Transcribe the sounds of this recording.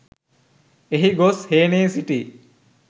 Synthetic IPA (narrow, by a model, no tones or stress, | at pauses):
eɦiɡosheːneːsiʈi